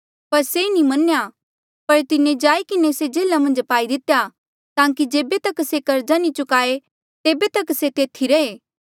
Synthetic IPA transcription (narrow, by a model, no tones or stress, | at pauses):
pɐɾsenimɐnja | pɐɾt̪ɪnẽd͡ʒaːikɪnesed͡ʒeːlamɐ̃nd͡ʒpaːid̪ɪt̪eja | t̪ãːkid͡ʒeːbet̪ɐksekɐɾd͡ʒanit͡ʃʊkaːe | t̪eːbet̪ɐkset̪eːt̪ʰiɾɐeː